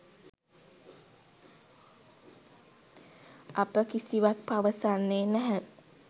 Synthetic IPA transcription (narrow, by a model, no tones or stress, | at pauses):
apəkisiʋak̚paʋəsanːeːnæɦæ